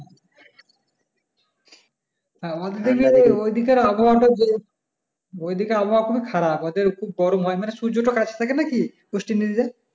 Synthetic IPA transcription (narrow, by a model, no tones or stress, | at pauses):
ɛ̃ɔad̪eɾd̪eɾbiaeojd̪ikeɾaboɦaʈad͡ʑe | ojd̪ikeɾaboɦaɾkʰubikʰaɾapɔad̪eɾkʰub̚ːɔɾomɔjmaneʃuɾd͡ʑoʈokat͡ɕʰe̥t̪ʰakenaki | ɡ̥oʃʈinːid̪id̪e